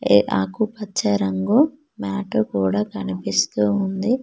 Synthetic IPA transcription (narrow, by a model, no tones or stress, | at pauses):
ḛʔa̰ːkupɐt͡ʃːɐɾɐŋɡu | maːʈɐkuːɽaːkɐnipist̪uːund̪i